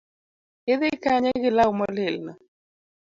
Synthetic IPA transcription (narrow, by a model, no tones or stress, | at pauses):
kɪðɪkaɲɛɡɪlawmɔlɪlnɔ